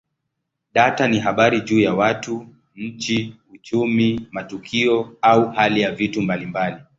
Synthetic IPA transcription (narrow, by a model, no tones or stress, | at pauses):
ɗataniɦaɓaɾiʄuːjawatu | ɲ̩t͡ʃiut͡ʃumimatukʰiɔauhalijavitumbalimbali